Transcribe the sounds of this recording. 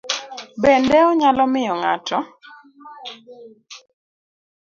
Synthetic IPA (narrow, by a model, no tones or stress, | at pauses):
bɛndɛɔɲalɔmɪjɔŋa̰tʰɔ